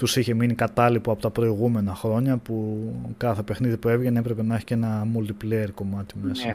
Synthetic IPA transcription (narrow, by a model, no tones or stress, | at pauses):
t̪usiçe̞minikɐt̪ɐlipoɐpo̞t̪ɐpɾo̞iɣume̞nɐxɾo̞ɲɐpukɐθe̞pe̞xniðipuevʝe̞neepɾepe̞nɐçi̥cenɐmult̪ipleeɾko̞mɐt̪ime̞sɐ